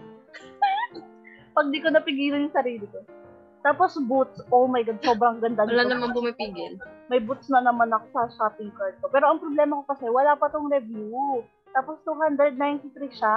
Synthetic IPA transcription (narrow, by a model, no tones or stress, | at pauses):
pɐɡ̚d̪ɪkonɐpɪɡiːlɐnjʊŋsɐɾiːlɪko | t̪aːpo̞sbut̪̚sʔowmɐjɡad̪̚so̞bɾɐŋɡɐnd̪ɐnɐlanɐmanbʊmɐpiːɡɪlmɐjbut̪̚snɐnɐmanɐkosɐsapiŋkɐɹd̪̚kopɛːɾo̞ʔɐŋpɾoblɛːmɐko̞kɐsɛwɐlaːpɐt̪oŋɾɛvju | t̪aːpo̞st̪uɦand̪ɾɛd̪̚najnt̪ɪt̪ɾiʃa